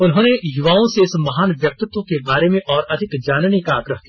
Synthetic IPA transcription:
ʊnɦõːnejʊʋaːõseɪsmɐɦaːnʋjɐk̚t̪ɪt̪ːwõkebaːɾemẽʔɔːɾɐd̪ʱɪkd͡ʒaːnnikaːɡɾəɦk̪i

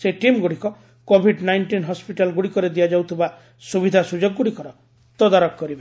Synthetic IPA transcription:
seʈimɡuɽikɔ | kobʱiɖnajnʈinɦɔspiʈalɡuɽikɔɾed̪iad͡ʒawt̪ʰiba | subid̪ʱasud͡ʒoɡːuɽikɔɾɔ | t̪ɔd̪aɾɔkkɔɾibe

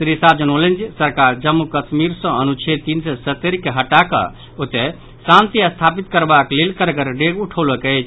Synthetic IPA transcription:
sɾisad͡ʒənolend͡ʒsəɾkaɾd͡ʒəmːukət͡ʃmiɾsə̃ənut͡ʃʰet̪insɛsət̪ːeɾkeɦəʈakə̰ | ot̪e | sãnt̪iəst̪ʰapit̪kəɾbaklelkəɾɡəɾɖeɡuʈʰoləkɛjt͡ʃʰ

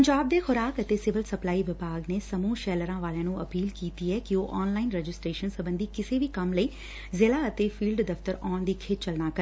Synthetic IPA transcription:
pəɲd͡ʒaːb̚d̪eːxʊɾaːkət̪eːsɪʋəlsəplaːiːʋɪbaːɡneːsəmũːʃɛːləɾãːʋaːljãːnũːəpiːlkiːt̪iːɛːkioːʔɔːnlaːɪnɾɛd͡ʒɪsʈɾeːʃənsəbə̃nd̪iːkɪseːʋiːkəmləiː | zɪlaːət̪eːfʰiːlɖd̪əft̪əɾɔːɳd̪iːkʰeːt̪̚t͡ʃəlnaːkəɾ

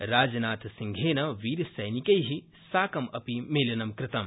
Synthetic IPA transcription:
ɾaːd͡ʒnaːt̪sĩŋɡʱeːnɐʋiːɾsɐjnikɐjɦi | saːkɐmɐ̰pimeːlɐnɐmkɾɪt̪ɐm

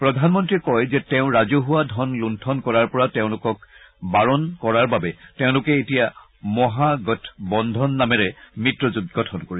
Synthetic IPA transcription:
pɹɔdʱanmɔntɹiɛkɔjzɛtɛʊ̃ɹazoɦuadʱɔnluntʰɔnkɔɹaɹpɔɹateʊ̃lʊkɔk̚ | baɹɔnkɔɹaɹbabɛteʊ̃lʊkɛetija | mɔɦaɡɔtʰbɔndʱɔnːamɛɹɛmitɹɔzud̚ɡɔtʰɔnkoɹi

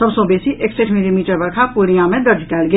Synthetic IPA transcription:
sɐbsõbeːsiʔekseʈʰmeːɾimiːʈəɾbɐɾkʰakuːɽijãmẽd̪ɐɾd͡ʒʱkɛːlɡe

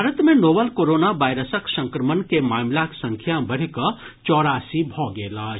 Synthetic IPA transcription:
aɾət̪mẽnoːbəlkoɾoːnabajɾəsəksə̃ŋkɾəmənkemaːmlaksə̃ŋkʰjabəɽ̤kə | t͡ʃɔːɾaːsibʱɔɡeːlaː

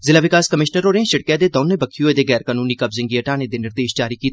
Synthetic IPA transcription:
zɪlaːʋɪkaːskəmɪʃnəɾɦoːɾeãːʃəɽ̚kjãːd̪eːd̪ɔːnẽːbəkʰijoːeːd̪eːɡɛːɾkaːnuːniːkəbzɪ̃ŋɡiːəʈaːnẽːd̪eːnɪɾd̪eːʃd͡ʒaːɾiːkiːt̪

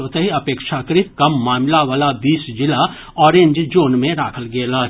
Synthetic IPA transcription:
oːt̪eɦiɐpeːkʃakəɾɪt̪̚kɐmːaːmlaʋaːlabiːsd͡ʒɪla | ɔːɾẽɲd͡ʒd͡ʒoːnmẽɾa̰ːkʰəlɡeːlaː

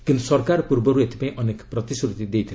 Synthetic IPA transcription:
kint̪u̥sɔɾkaɾɔpuɾbɔɾuet̪i̥paĩʔʌnekpɾʌt̪iskɾut̪id̪ejt̪ʰi

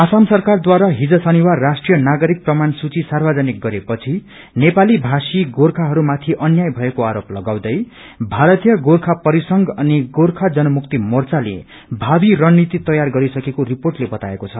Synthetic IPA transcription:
asamsʌrkard̪waɾaɦid͡zʌsʌniwarːasʈrijʌnaɡʌɾik̚prʌmansut͡sisarbʱʌd͡zʌnik̚ɡʌɾepʌt͡sʰi | nepalibʱasiɡorkʰaɦʌɾumat̪ʰiʔʌnjajbʱʌekoaɾoplʌɡaw̃d̪ʌj | bʱaɾʌt̪ijʌɡorkʰapʌɾisʌŋɡʌniɡorkʰad͡zʌnʌmuk̚t̪imʌrt͡salḛ | bʱabirʌnnit̪it̪ʌjarɡʌɾisʌkekoriporʈlebʌt̪aekot͡sʰʌ

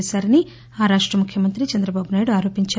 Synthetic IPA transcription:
saːɾɐni | aːɾaːʂʈɾɐmukʰjɐmɐnt̪ɾit͡ʃɐnd̪ɾɐbaːbunaːjɽuaːɾo̞ːpiɲt͡ʃa

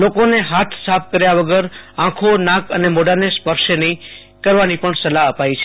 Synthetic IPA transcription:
lokoneɦat̪ʰsap̚ʰkəɾjaʋəɡəɾãkʰonãkənemɔɖəɾnespəɾʃenəĩ | kəɾʋanipəɳsəlaəpait͡ʃʰe̥

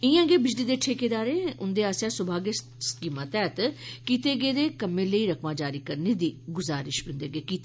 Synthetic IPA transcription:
ɪjãːɡeːbɪd͡ʒliːd̪eːʈʰeːkeːd̪aːɾeːʊnd̪eːaːsjaːsʊbʱaːɡe | skiːmaːt̪ɛːt̪kiːt̪eːɡeːd̪eːkəmẽːləiːɾəkmãːd͡ʒaːɾiːkəɾneːd̪iːɡʊzaːɾɪʃbɪ̃ːnd̪eːɡeːkiːt̪e

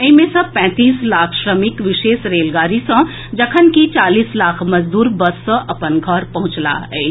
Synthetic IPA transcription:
ɐĩmẽsɐ̃pɛ̃ːt̪iːslaːkʰʃɾəmɪkʋɪʃeːʃɾeːlɡaːɾisɐ̃ | d͡ʒɐkʰənkit͡ʃaːliːslaːkʰmɐzd̪uːɾbɐsːɐ̃ʔɐpənɡʱɔːɾpɐɦʊ̃t͡ʃla̰ɦɛː

